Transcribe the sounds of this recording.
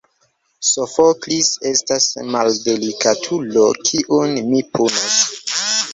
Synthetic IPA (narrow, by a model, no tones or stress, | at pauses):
sofoklise̞stasmalde̞likatʰulokʰiʔunmipʰunos